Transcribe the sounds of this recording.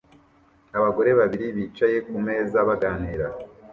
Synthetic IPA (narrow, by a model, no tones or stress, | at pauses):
aβaɡo̞ɾe̞βaβiɾiβiːt͡ʃaje̞kume̞ːzaβaɡaːn̥iɾa